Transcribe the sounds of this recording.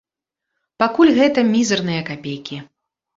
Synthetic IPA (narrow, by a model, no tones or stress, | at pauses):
pakulʲɣɛt̪ɐmʲizɨrnɨjɐkapʲejkʲi